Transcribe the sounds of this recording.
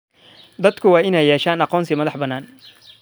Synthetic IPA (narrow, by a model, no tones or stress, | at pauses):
d̪ɐd̪kʰʊwɑːʔɪnɛjːɛːʃaːnɑqɔːnsɪmɐðɑħbɐnːaːn